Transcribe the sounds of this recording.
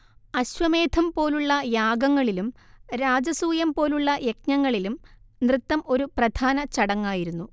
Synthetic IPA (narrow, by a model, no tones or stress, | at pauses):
ɐɕʋɐme̞ːd̪ʰʱɐmpo̞ːluɭːɐjaːɡɐŋːɐɭilumɾaːd͡ʑɐsuːjɐmpo̞ːluɭːɐje̞k̚ɲɐŋːɐɭilumnrɨt̪ːɐmo̞ɾuprɐd̪ʱaːnɐt͡ɕɐɽɐŋːaːjiɾunːu